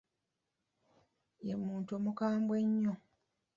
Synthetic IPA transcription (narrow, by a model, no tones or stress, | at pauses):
emuːntomukaːmbweɲːo